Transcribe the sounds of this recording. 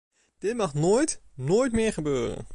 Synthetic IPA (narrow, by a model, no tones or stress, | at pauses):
d̥ɪtmɑχnoːjtnoːjtmɪːɹχəbøːrə̰n